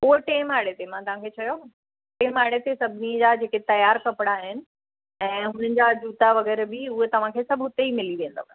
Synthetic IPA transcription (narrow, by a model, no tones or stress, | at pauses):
oɦeʈeːmaːɽet̪emãt̪ɐʋ̤ãkʰeːt͡ɕʰɐjo | ʈeːmaːɽet̪esɐbʱɪnid͡ʑad͡ʑeːket̪ɐjaːɾkɐpɪɽ̃aɦɪnɪ̆ | ɛ̃ːɦʊn̤ənɪ̆d͡ʑad͡ʑuːt̪aʋɐɣɛːɾbɪʊɦet̪ɐʋ̤ãkʰeːsɐbʱɦʊt̪eimɪliʋẽːnd̪o̰ːkː